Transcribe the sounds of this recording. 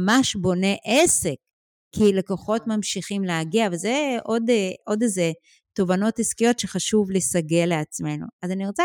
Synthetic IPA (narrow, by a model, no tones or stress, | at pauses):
maʃbo̞ne̞ʔese̞kː | ilekoχo̞tmamʃiχimleaɡiavalzeʔo̞dʔo̞deze | to̞vano̞tiskijo̞tʃeχaʃuvlesaɡeleat͡sme̞nṵazaniʁot͡sa